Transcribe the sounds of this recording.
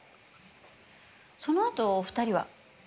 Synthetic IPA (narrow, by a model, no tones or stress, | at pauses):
so̞no̞at̪o̞ːɸɯ̟̥t̪aɾʲiβa̰